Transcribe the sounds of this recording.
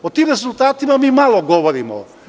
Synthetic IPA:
ot̪imɾezulˠt̪aːt̪imamiːmalˠoɡoʋoɾimo̰

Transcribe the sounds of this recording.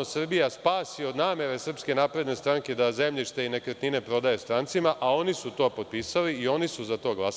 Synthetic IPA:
osr̩bijaspaːsio̞d̪naːme̞ɾe̞sr̩pske̞naːpɾe̞d̪ne̞st̪ɾaːŋke̞d̪aze̞mʎʲiʃt̪e̞ine̞kɾet̪nine̞pɾo̞d̪aje̞st̪ɾant̪simaʔao̞nisut̪o̞ːpo̞t̪̚piːsaliio̞nisuzat̪o̞ːɡlˠas

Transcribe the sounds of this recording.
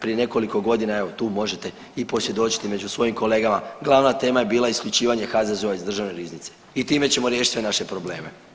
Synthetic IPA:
pɾije̞ne̞ko̞liko̞ɡo̞d̪inae̞ʋo̞t̪uːmo̞ʒe̞t̪e̞ | ipo̞sje̞d̪o̞t͡ɕi̥t̪ime̞d͡ʒusʋo̞jimkʰo̞le̞ːɡamaɡlˠaʋnat̪e̞ːmaje̞biːlˠaiskʎut͡ʃiːʋaɲe̞xazazo̞ʋaizd̪r̩ʒaʋne̞ɾiznit̪se̥ | it̪iːme̞t͡ɕe̞mo̞ɾje̞ːʃit̪sʋe̞naʃe̞pɾo̞ble̞̰ːme̞̰

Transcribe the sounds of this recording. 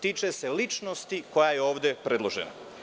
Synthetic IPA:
t̪iːt͡ʃese̞lit͡ʃno̞st̪iko̞jaje̞o̞ːʋd̪e̞pɾe̞d̪lˠo̞ʒḛna̰

